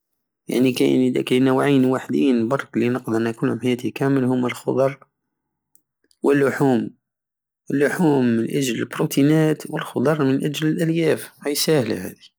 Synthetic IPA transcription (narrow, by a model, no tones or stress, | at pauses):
ja̰ʕnikæ̰nəd̪æ̰kæjnəwʕinwaħd̪iːnbɑɾˤklinəqd̪ənækʊlhʊmħajæːt̪ikæməlhʊmːælxʊd̪ˤɑɾˤ | wəlːʊħuːm | əlːʊħuːmːənʔæʒləlbɾut̪inæt̪wəlxʊd̪ˤɑɾˤmənʔæd͡ʒləlʔæljæfhæjsæhla̰hæ̰d̪i